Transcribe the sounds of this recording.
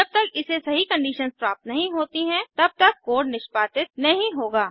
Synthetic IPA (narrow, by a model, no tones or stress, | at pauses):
d͡ʒɐb̚t̪ɐkɪsesɐɦikɐ̃ɳɖiːʃənspɾaːp̚t̪nɐɦĩɦoːt̪iɦɛ̃t̪ɐb̚t̪ɐkːoːɖnɪʃpaːt̪ɪt̪̚nɐɦĩɦoːɡaː